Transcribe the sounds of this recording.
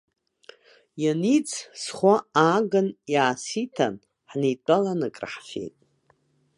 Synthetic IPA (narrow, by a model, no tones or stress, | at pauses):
janit͡sʰsχʷaaːɡɨnjaːsitʰa̰n | ħnijtʷʼalanɨkʼra̰ħfḛjtʼ